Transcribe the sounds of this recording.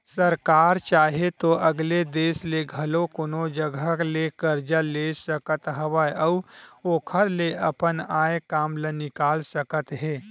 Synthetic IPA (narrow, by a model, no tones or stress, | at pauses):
səɾkaːɾt͡ʃaːɦet̪oʔɐɡled̪eːsleɡʱɐlokonod͡ʒəɡʱəklekəɾd͡ʒəlesəkət̪ɦɐʋaɐʊoːkʰəɾleɐpənaːjkaːmlənɪkaːlsəkət̪ɦeː